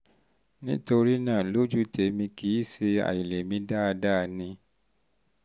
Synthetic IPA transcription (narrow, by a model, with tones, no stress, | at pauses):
nĩ˦to˧ɾi˦nãː˦˨lo˦d͡ʒu˦te˨˦mĩ˧ki˨˦i˦˨se˧a̰˨ji˨le˨mĩ˧da˦˧da˦˧nĩ˧